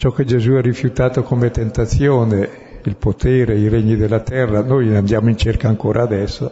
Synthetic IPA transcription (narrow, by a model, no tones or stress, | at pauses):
t͡ʃɔkːed͡ʒezuɛrːifjut̪aːt̪okomet̪ent̪at̪sjoːne | ilpot̪ʰɛːɾeiɾeɲːid̪elːat̪ɛrːanojand̪jaːmoint͡ʃerkaːŋkoːɾʔaːd̪ɛsːo